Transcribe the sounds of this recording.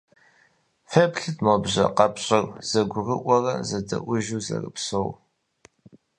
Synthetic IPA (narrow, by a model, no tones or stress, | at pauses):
fɐpɬɨtʰmobʑʷɐ̰qɐpɕʼɪrz̥ɐɡʷʊrəʔʷɔrɐ̰zɐdɐ̰ʔʷʊʒuːzɐ̰rɨ̰psow